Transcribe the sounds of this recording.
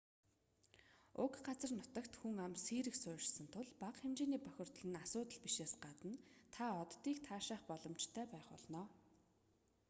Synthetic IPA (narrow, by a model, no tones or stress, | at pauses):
ʊkɢat͡sə̆rnʊt̪ə̆kt̪xuŋamsiːɾɘ̆ksʊːr̆ɮsə̆nt̪ʰʊɮpaqxemt͡ɕeːniːpœxʲɪ̆r̥t̪ə̆ɮɘ̆nasʊːt̪ə̆ɮpiʃeːsɢat̪ə̆nt̪ʰaɔt̪ːiːkt̪ʰaːʃaːχpɔɮɞ̆mt͡ɕt̪ʰœːpæːχɔ̰ɮnɔː